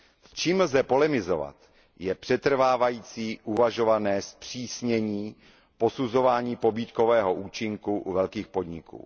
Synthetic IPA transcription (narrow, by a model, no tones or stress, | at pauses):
st͡ʃiːml̩zɛpo̞lɛmɪzo̞̰va̰t̪ | jɛpr̥ɛt̪r̩vaːvajiːt͡siːʔuvaʒo̞vanɛːspr̝̥iːsɲɛɲiː | po̞suzo̞vaːɲiːpo̞biːt̪ko̞vɛːɦo̞ʔuːt͡ʃɪŋkuʔuvɛlkiːxpo̞d̪ɲɪkṵː